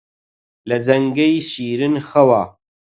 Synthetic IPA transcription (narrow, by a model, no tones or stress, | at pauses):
lɐd͡zɐŋɡɐjʃiːɾɨnχɐwaː